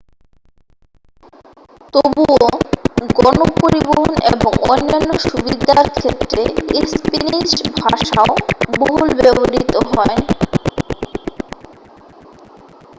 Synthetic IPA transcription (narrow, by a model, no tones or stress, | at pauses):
t̪obuoɡɔnopoɾiboɦooneboŋonːanːoʃubid̪ʱaɾkʰet̪ːɾeispeniʃbʱaʃaoboɦlbeboɾit̪oɦɔe